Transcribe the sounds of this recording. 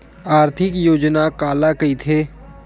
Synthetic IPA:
aːɾt̪ʰɪkjoːd͡ʒnakaːlakɐit̪ʰeː

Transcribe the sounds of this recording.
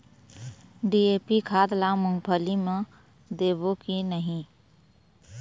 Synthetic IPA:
ɖiepikʰad̪lamʊŋpʰəlimẽ | d̪eːbokinəɦĩ

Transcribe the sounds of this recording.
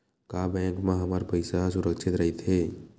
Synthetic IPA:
kaːbɛ̃ːŋkmãɦəmaɾpəɪsasʊɾəkʃʰɪt̪ɾəɦit̪ʰeː

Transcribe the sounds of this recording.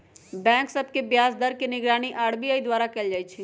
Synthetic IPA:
bɛ̃ːksəb̚kebjaːzd̪əɾkenɪɡɾaːñiʔaːɽbiaːid̪waːɾakɛld͡ʒaːit͡ʃʰi

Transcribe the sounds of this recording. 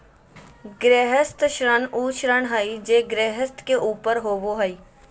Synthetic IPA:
ɡɾɛːɦəst̪ʃɾənuːʃɾənɦaːid͡ʒeːɡɾeːɦəst̪keʔuːpəɾɦoːʋoːɦaiː

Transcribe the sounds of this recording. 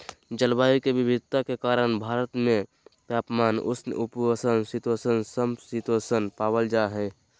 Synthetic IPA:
d͡ʒəlbaːikebɪbʱɪd̪̚ʱt̪akekaːɾənbʱaːɾət̪mẽ | tjaːpmaːnʊ̰sn̰ʔʊpəsənsɪt̪wəsənsəmsɪt̪wəsənpaːwəld͡ʒaɦɛː

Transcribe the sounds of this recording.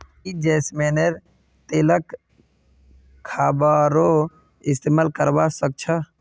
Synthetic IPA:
kid͡ʒɛːsmeneɾ | t̪elək | kʰːabaɾo | ɪst̪eːmalkəɾbasək̚t͡ʃʰə

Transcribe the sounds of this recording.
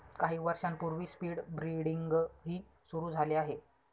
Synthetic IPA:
kaɦiːʋəɾʂampuɾʋiːspiːɽbɾiɽiŋɡɦiː | suɾuːd͡zʱaleaɦe

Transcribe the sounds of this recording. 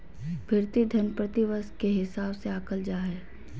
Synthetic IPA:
bʱɪɾt̪id̪ʱənpɾət̪iʋəskeɦɪsaːbseaːkəld͡ʒaːɦɛː

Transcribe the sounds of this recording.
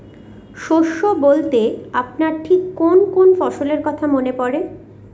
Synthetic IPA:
ʃoʃːobolt̪eapnaɾʈʰikːonkonfɔʃoleɾkɔt̪ʰamonepɔɾe

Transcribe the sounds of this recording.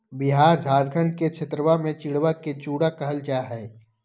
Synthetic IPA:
bɪɦaːɾd͡ʒʱaːɾɡʰʱəɳɖket͡ʃʰɪt̪ɾəʋamẽt͡ʃɪɽʋaket͡ʃuːɽakəɦəlt͡ʃaːɦɛː

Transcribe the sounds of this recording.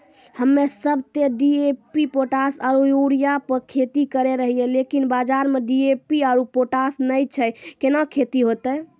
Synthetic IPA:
həmːesəbʱt̪eɖiepipoʈasaɾuuɽijapəɾkʰet̪ikəɾeɾəɦijelekinbad͡ʒaɾmeɖiepiaɾupoʈasnəjt͡ʃʰɛjkenakʰet̪iɦot̪ə

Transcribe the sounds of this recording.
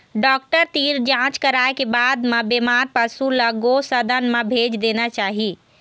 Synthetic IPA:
ɖɔk̚ʈəɾt̪iɾd͡ʒãt͡ʃkəɾaekebad̪mebemaɾpəsuləɡosəd̪ənmebʱed͡ʒd̪enat͡ʃaɦi

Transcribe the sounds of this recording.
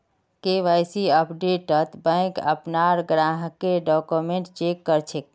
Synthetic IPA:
keʋajsiəpɖeʈət̪bə̃ɪkə̰pnaɾɡɾãɦkeɖɔkumeɳʈt͡ʃekːəɾt͡ʃʰek̚

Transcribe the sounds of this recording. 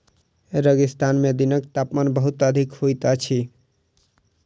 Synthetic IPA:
eɾəɡist̪anmed̪inək̚t̪apmanbəɦut̪əd̪ʱikhojt̪at͡ʃʰi

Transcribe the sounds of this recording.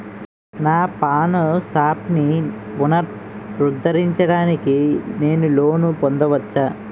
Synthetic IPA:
naːpaːnusaːpni | ʋunɐɾ | ɾud̪ʱːɐɾiɲt͡ʃɐɽaːnikine̞ːnulo̞ːnupond̪ɐʋɐt͡ʃːaː

